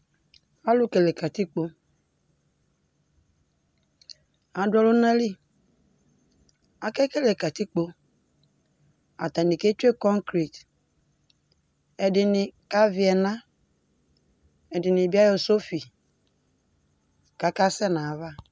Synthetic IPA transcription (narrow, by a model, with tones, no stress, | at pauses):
a˦lʊ˦ke˨le˨ka˨ti˦k͡po˦ | a˨dɔ˦lʊ˦nã˦li˦ | a˨kɛ˦ke˦le˨ka˨ti˦k͡po˦ | a̰˨tã˨nĩ˨ke˦te˦kɔ̃˦ŋkɾi˨t | ɛ˨dɪ˨nɪ̃˨ka˦vɪ˨ɛ˨nã˦ | ɛ˨dɪ˨nɪ̃˨bi˦a˦jɔ˨so˦fi˨ | ka˨ka˦sɛ˦nã˨va˦